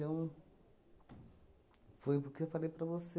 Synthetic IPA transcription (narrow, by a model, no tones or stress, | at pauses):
ɐ̃w̃ | fojpʊkeefalejpɾɐvose